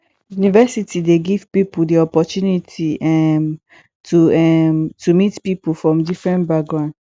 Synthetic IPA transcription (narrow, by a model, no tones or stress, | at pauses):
junivɛsitʰideɡiv̥pipudiɔpɔtunitʰiɛm | tʰuɛmtʰumitpipufɹɔ̃mdifɹɛ̃nbakɡɹãʊ̃nd